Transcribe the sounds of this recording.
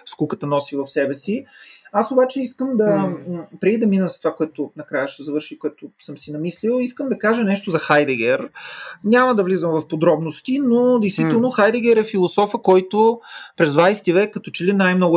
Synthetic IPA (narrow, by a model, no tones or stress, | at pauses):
skukət̪ənɔsivɐfsɛbɛsiasobat͡ʃɛiskəmd̪ɐpɾɛɡ̪id̪ɐminəsst̪ovakoɛt̪ʊnɐkɾajəʃt̪ɛzɐvɤɾʃikoɛt̪ʊsɤmsinɐmislilˠiskəmd̪ɐkaʒənɛʃt̪ozɐxajd̪ɛɡʲɛɾɲʲaməd̪ɐvlizəmvɐfpod̪ɾɔbnost̪inod̪ɛjst̪vit̪ɛlˠnoxajd̪ɛɡʲɛɾɛfilˠosɔfəkɔjt̪opɾɛzd̪vajsɛ̥t̪ivɛkːɐt̪ɔt͡ʃɛlinajmnɔɡʊ